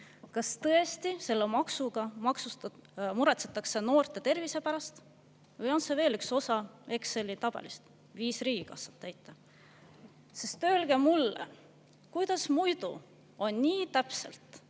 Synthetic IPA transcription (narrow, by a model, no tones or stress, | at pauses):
kɑst̪ɤ̞est̪ise̞lːemɑksuɡ̥ɑmɑksusmuɾet̪se̥t̪ːˑɑkse̞no̞ːrt̪ˑe̞t̪e̞rvise̞pæɾɑst̪ | vɤjo̞nse̞ve̞ːlykso̞sɑe̞kse̞lːit̪ɑb̥ḛlist̪ | viːsriːɡ̥ikɑsːɑ̥t̪ːæjt̪ːˑɑ | sest̪ːˑøːlɡ̥e̞mulːḛ | kujd̪ɑsmujd̪̥ṵ | o̞nʲniːt̪æpse̞̰lt̪